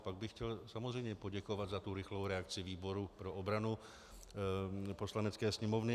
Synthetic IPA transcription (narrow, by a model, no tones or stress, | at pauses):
paɡ̚bɪxcɛlsamozrɛjmɲɛpoɟɛkovadzat̪uɾɪxlowɾɛakt͡sɪviːboɾupɾoʔobɾanu | poslanɛt͡skɛːsɲɛmovnɪ